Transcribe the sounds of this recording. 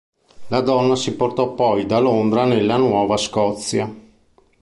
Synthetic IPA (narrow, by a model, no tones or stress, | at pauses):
lad̪ɔnːasiport̪ɔpɔjd̪alond̪ɾanelːanwɔːvaskɔt̪sːja